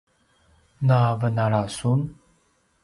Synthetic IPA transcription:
navənaɾasun

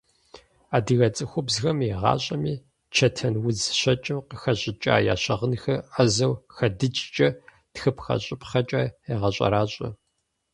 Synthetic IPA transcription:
aːdɨɣɐt͡sʼɨxʷʊbzxɐmeʁɑ̰ːɕʼɐmiː | t͡ʃʰɐtʰɐnwʊzɕɐt͡ʃʼɪmqəxɐɕʼɪt͡ʃʼa̰ːja̰ːɕɐʁənxɐʔɐzɐwxɐdɨt͡ʃʼt͡ʃʼɐ | txɨpxɐ̰ɕʼɪpʰχɐt͡ʃʼaːeʁɐɕʼɐ̰ɾaːɕʼɐ̰

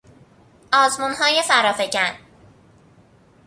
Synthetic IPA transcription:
ɒːzmunɦɒːje̞fæɾɒːfe̞cæn

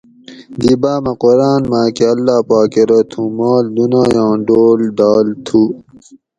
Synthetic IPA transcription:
d̪ibaːmɐqoɾaːnmaːkeɐlːaːpaːkeɾɐt̪ʰũmaːld̪unaːjãːɖoːlɖaːlt̪ʰu

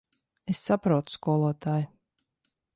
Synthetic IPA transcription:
esːapɾuɔt̪u̥skuɔlˠɔt̪aːju

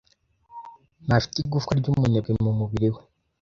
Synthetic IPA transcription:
nafi̥tiɡufkaɾɟumuneɡemumuβiɾiwe

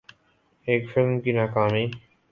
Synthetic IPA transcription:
eːkfɪlmkinaːkaːmiː

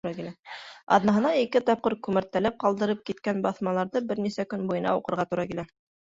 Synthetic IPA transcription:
ɾɑkilæɑ̰ðnɑɦɤ̆nɑikɘt̪ɑp̚qɤɾkʉmæɾt̪ːælæp̚qɑlˠd̪ɤ̆ɾɤp̚kit̪kænbɑθmɑlˠɑɾðɤbɘɾnisækɵnbujɤ̆nɑ̰uqɤ̆ɾʁɑt̪uɾɑkilæ

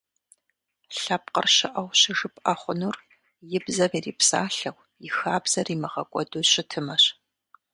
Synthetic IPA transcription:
ɬɐp̚qə̰rɕɪʔɐwɕɪʒɨpʼɐχʷʊnur | jɪbzɐriːriːpsa̰ːɬɐwʷ | jɪxaːbz̥ɐriːmɐʁɐkʷʼɔduːɕɪtʰɨmɐɕ

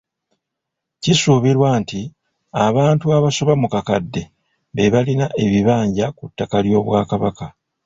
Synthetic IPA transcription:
cisuβiɾwaːnti | aβaːntuaβaso̞βamukakadːe̞ | βe̞βalinaʔe̞βiβaːɲɟakutːakaljo̞ːβwaːkaβaka

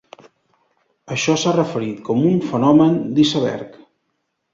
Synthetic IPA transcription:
əʃɔsarəfəɾit̪kɔmuɱfənɔmənd̪isəβɛ̰ɾk

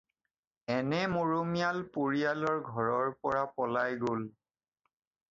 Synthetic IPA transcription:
ɛnɛmoɹomijalpoɹialɔɹɡʱɔɹɔɹpɔɹapɔlajɡol

